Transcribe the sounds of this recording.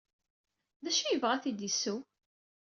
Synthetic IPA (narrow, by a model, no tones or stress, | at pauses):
ðæʃijəvʁæθid̪isːu